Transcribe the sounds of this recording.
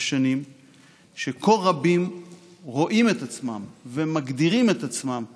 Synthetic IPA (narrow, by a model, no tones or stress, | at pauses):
ʃanim | ʃeko̞lʁabimʁo̞ʔime̞t̪at͡smamve̞maɡd̪iʁime̞t̪at͡smam